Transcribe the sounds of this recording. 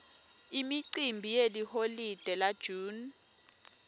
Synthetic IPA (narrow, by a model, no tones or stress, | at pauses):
imiǀimbʱijeliholid̥ʱɛlad̥ʒ̥ʱuːn